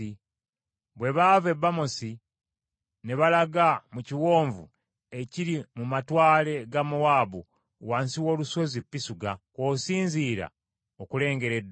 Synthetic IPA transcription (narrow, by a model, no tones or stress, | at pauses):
i | βwe̞βave̞bːamosi | ne̞βalaɡamuciwo̞ːɱvṵ | e̞ciɾimumatwaːle̞ɡamuwaːβu | waːnsiwo̞ːluso̞zipːisuɡakoːsiːnziːɾa̰ | okule̞ːŋɡe̞ɾed